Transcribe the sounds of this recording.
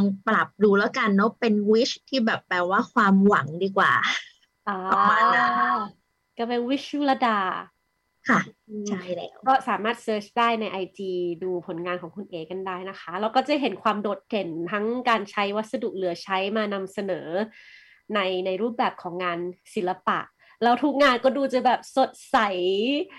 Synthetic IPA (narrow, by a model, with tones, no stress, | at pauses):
a˧ŋpla˨˩p̚duː˧lɛ˦˥wka˧nːɔ˦˥pe˧nwi˦˥t͡ɕt̪ʰiː˥˩bɛː˨˩p̚ːɛː˨˩waː˥˩kʰwaː˧mwa˩˦ŋdiː˧kwa̰ː˨˩ | ʔɔː˧˦ɔ˧˩maː˧a˥ | kaː˥˩pe˧nwi˦˥t͡ɕːu˦˥˩la˧daː˧ | kʰa˥˩ɯ˧˩t͡ɕʰjlɛ̰ː˦˥wɔː˥˩saː˩˦maː˥˩t̪̚sɤː˦˥t͡ɕʰdaː˥˩jna˧jʔa˧jtiː˧duː˧pʰo˨˩˦nŋaː˧nkʰɔː˩˦ŋkʰu˧nʔeː˨˩kːa˧ndaː˥˩jna˦˥kʰa˦˥ɾɛ˧˦˧wkɔː˥˩t͡ɕa˨˩ɦe˨˩˦nkʰwaː˧mdoː˨˩t̪̚ːe˨˩nt̪ʰa˦˥ŋkaː˧nt͡ɕʰa˦˥jwa˦˥t̪̚sa˧du˨˩k̚lɯ˩˦ɐt͡ɕʰa˦˥jmaː˧na˧msa˧nɤː˩˦ | na˧jna˧jɾuː˥˩p̚bɛː˨˩p̚kʰɔː˩˦ŋːaː˧nsi˨˩˦nla˧pa̰˨˩ʔ | lɛ˦˥wt̪ʰu˦˥k̚ŋaː˧nkɔː˥˩duː˧t͡ɕa˨˩˦bɛː˨˩p̚so˨˩t̪̚sa˨˩˦j